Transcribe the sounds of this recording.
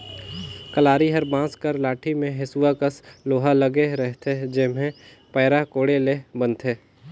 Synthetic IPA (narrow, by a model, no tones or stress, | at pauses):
kəlaːɾiɦəɾbãːskəɾlaːʈʰimẽɦɪsuwakəsloːɦaləɡeɾɛɦt̪ʰed͡ʒɪmẽ | pɛːɾakoːɽelebənt̪ʰeː